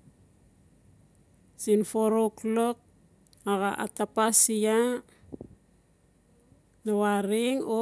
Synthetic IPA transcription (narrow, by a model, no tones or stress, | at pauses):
sinfoɾoklo̞k̚ | aɣaʔa̰tapasia | nawaɾiŋo